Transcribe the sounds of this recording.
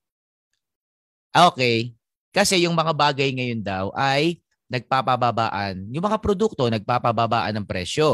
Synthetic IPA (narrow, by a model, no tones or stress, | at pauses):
ʔoːkɛj | kɐsɛjʊŋmɐŋabaːɡɐjŋɐjond̪ɐwʔɐj | nɐɡ̚papɐbaba̰ːʔɐnjʊŋmɐŋapɾod̪uk̚t̪o̞nɐɡ̚paːpababa̰ːʔɐ̰nɐŋpɾɛ̰ʃo̞